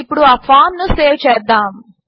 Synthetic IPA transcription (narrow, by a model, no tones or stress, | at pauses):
ipːuɽuɐpʰaːnnuseːɾt͡ʃɛːd̪ːaːm